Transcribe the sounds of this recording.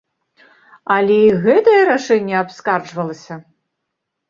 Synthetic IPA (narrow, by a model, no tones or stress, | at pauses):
alʲɛiɣɛt̪ɐjɐɾaʂɛnʲːɛapskard͡ʐvɐlˠɐsʲɐ